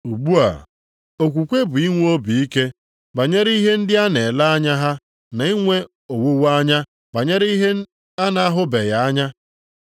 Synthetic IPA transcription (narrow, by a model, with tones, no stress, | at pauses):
u˨ɡ͡bu˦a̰˨ | o˨kʷu˨kʷe˦bʊ˨i˦ŋʷ˦o˦bi˨i˦ke˦ | ba˨ɲe˦ɾi˦ɦe˦n̩˦dɪ˦a˦ne˨la˦a˦ɲa˦ɦa˦ | na˨˦i˦ŋʷe˦ | o˨wo˦wa˦ɲa˦ | ba˨ɲe˦ɾi˦i˦ɦe˦ | a˦na˨a˦ɦʊ˦be˨ja˨a˦ɲa˦